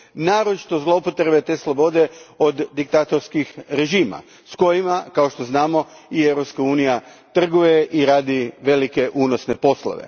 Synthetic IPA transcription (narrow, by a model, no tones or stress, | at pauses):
naːɾot͡ʃi̥t̪o̞zlˠo̞pot̪ɾebet̪e̞ːslˠobo̞d̪e̞o̞d̪ːik̚t̪at̪oɾskixɾe̞ʒiːma̰ | sko̞jimakao̞ʃt̪o̞znaːmo̞ieʋɾo̞pskauːnija | t̪r̩ɡuje̞ʔiɾaːd̪iʋe̞like̞ʔuːnosne̞po̞slˠo̰ʋe̞̰